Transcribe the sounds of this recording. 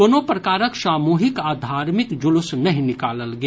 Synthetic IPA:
oːnopɾɐkaːɾəkʃaːmuːɦɪkaːd̪ʱaːɾmɪkd͡ʒʊlʊsnɐɦĩnɪkaːləlɡɐ

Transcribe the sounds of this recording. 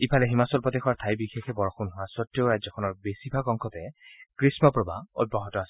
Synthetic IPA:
ipʰalɛɦimasɔlpɔt̪exʰwaɹt̪ʰajbixexʰɛbɔɹɔxunɦʊwasɔtɹjoɹajzɔkʰɔnɔɹbesibʱakɔŋkʰɔtɛkɹismɔpɹɔba̰ɔ̰d̚bɔɦɔtɔasɛ

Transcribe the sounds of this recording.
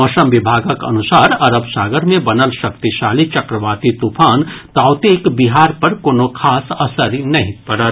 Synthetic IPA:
ɔːʃəmʋɪbʱaːɡəkɐ̰nʊsaːɾɐɾəbsaːɡəɾmẽbɐnəlʃɐkt̪iʃaːlit͡ʃɐkɾəʋaːt̪it̪upʰaːnt̪aːʊt̪eːkbɪɦaːɾpɐɾkoːnokʰaːsɐsəɾinɐɦĩpɐɾa

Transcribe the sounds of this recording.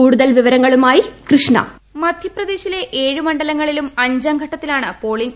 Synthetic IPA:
uːɽuðɐlʋiʋɐɾɐŋːɐɭumaːjikrɨʂɳɐ̰ | mɐd̪ʱjɐprɐd̪e̞ːɕile̞ʔeːɻumɐɳɖɐlɐŋːɐɭilumɐɲd͡ʑɐmɡʱɐʈːɐt̪ːilaːɳɨpo̞ːɭiɲ

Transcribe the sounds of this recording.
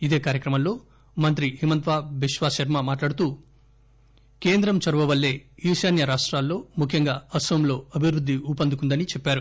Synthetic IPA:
id̪e̞ːkaːɾjɐkɾɐmɐmlo̞ː | mɐnt̪ɾiɦimɐnt̪ʋaːʋiʃʋaːsɐɾmɐmaːʈlaːɽut̪uː | ke̞ːnd̪ɾɐmt͡ʃɐɾʋɐʋɐlːe̞ːiːʃaːnjɐɾaːʂʈɾaːlːo̞ːmukʰjɐŋɡaːɐsɐʋɐmlo̞ːɐbʱiʋɾud̪ʱːiupɐnd̪ukund̪ɐnit͡ʃɛpːaːɾu

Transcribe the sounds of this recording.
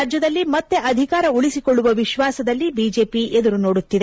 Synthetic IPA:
d͡ʒjɐd̪ɐlːimɐt̪ːe̞ʔɐd̪ʱikaːɾɐuɭisikoɭːuʋɐʋiʃʋaːsɐd̪ɐlːibiːd͡ʒe̞ːpied̪uɾuno̞ːɽut̪ːid̪e

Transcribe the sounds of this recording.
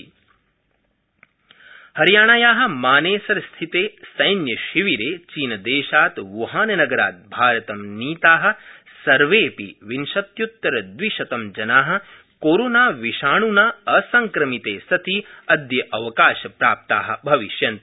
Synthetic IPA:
hɐɾjaːɳajaːɦɐ̆maːneːsɐɾst̪ʰit̪eːsɐjnjɐʃiʋiɾeːt͡ʃiːnɐd̪eːʃaːt̪ʋuɦaːnɐnɐɡɐɾa̰ːt̪̚bʱaːɾɐt̪ɐmniːt̪aːɦɐ̆ | sɐɾʋeːpḭʋinʃɐt̪jut̪ːɐɾɐd̪ʋiʃɐt̪ɐmd͡ʒɐnaːɦɐ̆ | koːɾoːnaːʋiʃaːɳunaːɐsɐŋkɾɐmit̪eːsɐt̪ʰiɐd̪jɐʔɐʋɐkaːʃɐpɾaːp̚t̪aːɦɐ̰̆bʱɐʋiʃjɐnt̪

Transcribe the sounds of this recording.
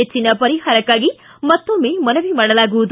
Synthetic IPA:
et͡ʃːinɐpɐɾiɦaːɾɐkːaːɡi | mɐt̪ːomemɐnɐʋimɐɽɐlaːɡuʋud̪

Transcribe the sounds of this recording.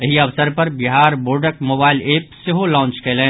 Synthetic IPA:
ɐɦiɐʋsəɾpɐɾbɪɦaːɾboːɾɖəkmoːbaːɪleːp̚sɪɦolɔ̃ːnt͡ʃkeːlẽː

